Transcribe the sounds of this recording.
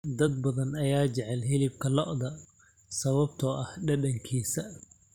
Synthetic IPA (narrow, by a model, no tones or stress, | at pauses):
d̪ɐd̪̚bɐðɐnɐjaːt͡ʃɛʕɛlɦɪlɪb̚kʰɐlɔʔðɐ | sɐβɐbt̪ʰɔʔɐhɖɐɖɐŋkʰiːsɐ